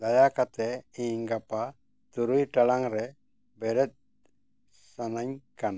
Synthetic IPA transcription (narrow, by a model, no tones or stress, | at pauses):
d̪ajakat̪ɛĩŋɡapa | t̪uɾujʈalaŋɾɛ | bɛɾɛt̪̚ | sanaɲkan